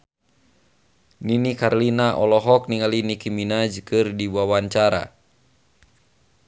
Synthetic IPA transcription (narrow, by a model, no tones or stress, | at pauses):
ninikarlinaʔɔlɔɦɔk̚niŋalinikiminad͡ʒɨkɨrdibuawaɲt͡ʃaɾa̰